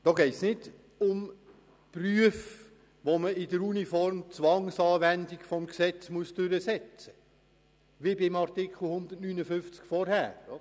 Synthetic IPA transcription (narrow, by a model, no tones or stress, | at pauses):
d̥ɔɡɛɪtsnɪd | ʊm | pryəf | ʋoməɪdəɾunifɔrmt͡sʋɑŋsɑːʋændikfɔmksɛt͡smuəsd̥ʉɾəsɛt͡sə | ʋibɪmɑrtɪkχl̩ˠhʊnd̪ərtnynəfʏft͡skfɔɾhæ̰ːɾ